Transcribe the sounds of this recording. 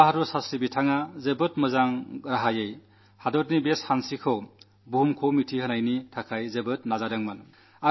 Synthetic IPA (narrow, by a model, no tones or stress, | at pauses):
aɦadɔsasibitʰaŋazebɯtmɯzaŋɾaɦajej | hadɔtnibeshansikʰɯw | buɦumkʰowmitʰihənajnitʰakʰajzebɯtnazadaŋmɯn | a